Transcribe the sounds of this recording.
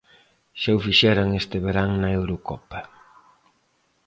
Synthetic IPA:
ʃewfiʃɛɾaŋest̪ɪβeɾaŋnɐewɾokɔpa

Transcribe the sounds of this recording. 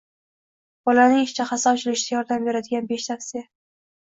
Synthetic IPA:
b̥ɒlanɪŋɪʃt͡ʃʰaχasɒbt͡ʃʰɪlɪʃɪd̪ʲajɒɾd̪ambe̞ɾad̪ɪɡʲanbe̞ʃt̪ʰafsija

